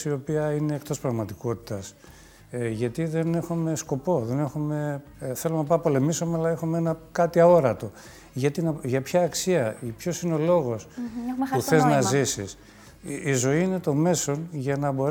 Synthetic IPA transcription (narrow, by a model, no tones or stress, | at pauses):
sio̞piɐineːkt̪o̞spɾɐɣmɐt̪iko̞t̪i̥t̪ɐs | ʝɐt̪iðe̞ne̞xume̞sko̞po̞ðe̞ne̞xume̞ | θe̞lonɐpɐpo̞le̞misomeɐlɐexumeenɐkɐt̪iɐo̞ɾɐt̪o̞ | ʝɐt̪inɐʝɐpçɐːksiɐpço̞sineo̞lo̞ɣo̞spuθeznɐzisis | izo̞iine̞t̪o̞me̞so̞nʝɐnɐbo̞ɾ